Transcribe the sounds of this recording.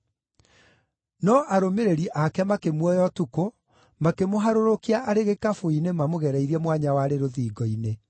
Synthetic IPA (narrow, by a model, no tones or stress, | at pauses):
nɔʔaɾomeɾeɾiʔakɛmakemwɔjɔtuko | makemoɦaɾoɾokiaʔaɾeɣekafoinemamoɣɛɾɛiɾiɛmwaɲawaɾeɾoðiːɡɔine